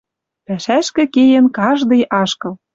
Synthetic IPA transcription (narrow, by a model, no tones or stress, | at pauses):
pæʃæʃkɘ̆kejĕnkɑʒd̪ɤ̆jʔɑʃkɤ̆l